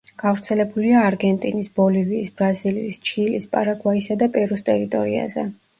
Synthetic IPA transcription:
ɡ̥avɾt̪sʰɛlɛbuliaːɾɡɛnt̪ʼinisb̥ɔliviːsbɾazilḭːst͡ʃʰilispʼa̰ɾaɡwaisad̪apʼɛɾust̪ʼɛɾit̪ʼɔɾia̰zɛ̰

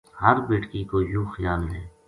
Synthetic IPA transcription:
həɾbeːʈkikojuːxɪjaːlnɛː

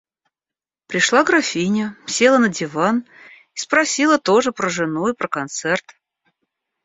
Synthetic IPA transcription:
pɾʲɪʂlˠaɡɾafʲinʲəmsʲe̞lˠənədʲɪvan | ispɾɐsʲilˠət̪o̞ʐɨpɾəʐɨnuipɾəkɐnt̪sɛrt̪

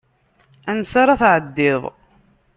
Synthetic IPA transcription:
ænsɑɾˤɑθʕəd̪ːɪðˤ

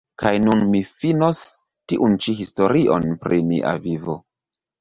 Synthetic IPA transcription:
kajnunmifinos | tiʔunt͡ʃiɦisto̞ɾiʔo̞̰npɾʔimḭʔa̰vivo̰

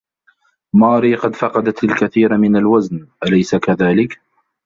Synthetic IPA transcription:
mɑːɾiːqɑd̪fɑqɑd̪at̪alkaθiːɾmɪnalwaznʔalajsakaðaːlɪk

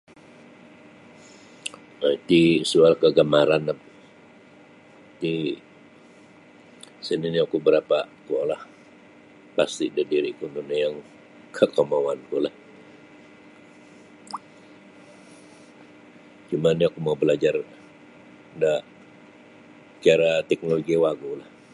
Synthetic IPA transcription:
at̪isualkəɡamaɾanap̚ | t̪i | səniniakubəɾapat̪ualah | past̪idədiɾikundunajaŋ | kʰəkamawankulah | t͡ʃumaniakumabəlad͡ʒar | da | kiaɾat̪ɛk̚noloɡiawaɡulah

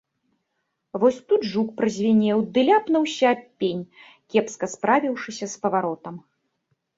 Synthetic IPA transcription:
vɔsʲt̪ud̪ʐukpɾɐzʲvʲɛnʲɛwd̪ɨlʲapnɐwsʲɐːpʲːenʲ | kʲɛpskɐspɾavʲiwʂɨsʲɐspɐvaɾɔt̪ɐm

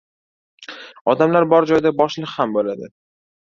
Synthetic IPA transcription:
ɒd̪amlaɾbɒɾd͡ʒɒjd̪abɒʃlɨqhambolad̪ɪ

